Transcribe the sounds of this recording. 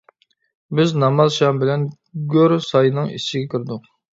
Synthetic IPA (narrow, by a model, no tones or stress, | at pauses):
bɪznɑmɑzʃɑmbɪlɛn | ɡʲøɾsɑjnɨŋḭst͡ʃiɡʲɛkʲʰyɾd̪ʊq̚